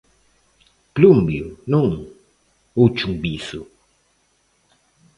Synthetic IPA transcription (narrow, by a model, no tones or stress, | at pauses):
plumbjṵnuŋ | ut͡ʃuŋbisu